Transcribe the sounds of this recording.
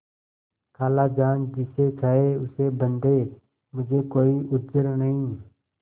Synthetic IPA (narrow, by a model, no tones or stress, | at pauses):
kʰaːlaːd͡ʒaːnd͡ʒɪseːtʰaːeːʊseːbənd̪eː | mʊd͡ʒʱeːkoːiːʔʊd͡ʒəɾnəɦĩː